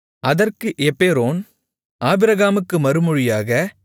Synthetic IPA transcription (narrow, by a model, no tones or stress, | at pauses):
ʔɐðɐrkɯʔɛpːeːɾoːn | ʔaːbɪɾɐɣaːmɯkːɯmɐɾɯmɔɻɪjaːɣɐ